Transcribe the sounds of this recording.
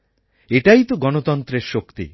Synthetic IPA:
eʈajt̪uɡɔnot̪ɔnt̪ɾeɾʃokt̪ḭ

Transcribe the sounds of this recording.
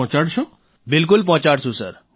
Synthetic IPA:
t͡ɕaɽt͡ɕʰu | bɪlk̬ʊlp̬ɔ̃ːt͡ɕaɽsũsə̰ɾ

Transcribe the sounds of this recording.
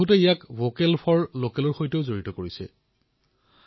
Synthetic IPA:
utɛijakvokɛlpʰɔɹlokɛlɔɹxojteʊzoɹitɔkoɹisɛ̰

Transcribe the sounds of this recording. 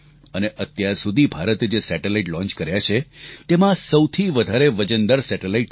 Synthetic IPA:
əneʔət̪jaɾsud̪ʱibʱaɾət̪d͡ʒesɛʈelaiʈlɔ̃ɲt͡ʃkəɾjat͡ʃʰet̪emãsəwt̪ʰiʋəd̪ʱaɾeʋəd͡ʒənd̪əɾsɛʈelaiʈ

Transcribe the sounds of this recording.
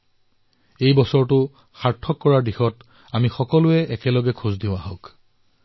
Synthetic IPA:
ejbɔsɔɹtʊ | xaɹtʰːɔkːɔɹaɹdixɔt | amixɔkɔlʊɛʔɛkɛlɔɡɛkʰuzdĩʊ̃aɦɔ̃k

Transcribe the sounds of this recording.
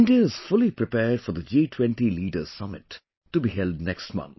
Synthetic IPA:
ɪ̃nɖiəɪz̥fʊlipɾɪpɛːɖfɔɾd̪əd͡ʒiːtʰwɛ̃nʈiliːɖəz̥sʌmɪtː | ubihɛldnɛkstmʌ̰̃nt̪̚

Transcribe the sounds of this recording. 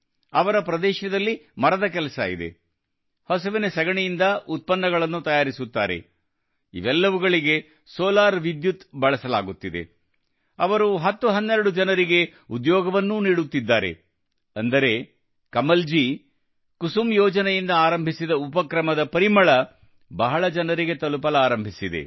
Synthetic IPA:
ɐʋɐɾɐpɾɐd̪ɛːʃɐd̪ɐlːimɐɾɐd̪ɐk̬ɛlɐsɐ̰ḭd̪e̞̰ | hɐsɐʋinesɐɡɐɳejind̪ɐʔut̪̚pɐnːɐɡɐɭɐnːut̪ɐjaːɾisut̪ːaːɾe̞̰ | ḭʋɛlːɐʋuɡɐɭiɡe̞ | sɔːlaːɾʋid̪jut̪bɐɭɐsɐla̰ːɡut̪ːid̪e̞̰ | ɐ̰ʋɐɾuɦɐt̪ːuɦɐnːɛɾɐɽud͡ʒɐnɐɾiɡe̞ud̪jɔːɡɐʋɐnːuniːɽut̪ːid̪ːaːɾe̞̰ | ɐnd̪ɐɾe̞ | kɐmɐld͡ʒi | kusumjɔːd͡ʒɐnejind̪ɐaːɾɐmbʱisid̪ɐupɐkɾɐmɐd̪ɐpɐɾimɐɭɐ | bɐɦɐɭɐd͡ʒɐnɐɾiɡe̞t̪ɐlupɐlɐaːɾɐmbʱisid̪e̞̰

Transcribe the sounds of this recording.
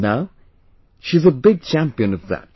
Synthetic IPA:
naʊ | ʃizəbɪɡ̚t͡ʃʰæ̃mpiɨ̃nʌvðæ̰t̚

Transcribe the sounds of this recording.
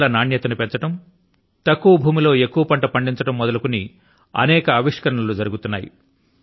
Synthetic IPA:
lɐnaːɳjɐt̪ɐnupe̞ɲt͡ʃɐʈɐm | t̪ɐkːuʋɐbʱuːmilo̞ːe̞kːuʋɐpɐɳʈɐpɐɳɖiɲt͡ʃɐʈɐmːɔd̪ɐlukuni | ɐ̰nɛːkɐːʋiʂkɐɾɐɳɐlud͡ʒɐɾuɡut̪unːa̰ːjḭ

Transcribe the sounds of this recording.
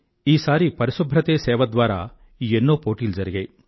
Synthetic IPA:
iːsaːɾipɐɾisubʱɾɐt̪eːsɛːʋɐd̪ʋaːɾa̰ː | enːoːpoːʈiːld͡ʒɐɾiɡej

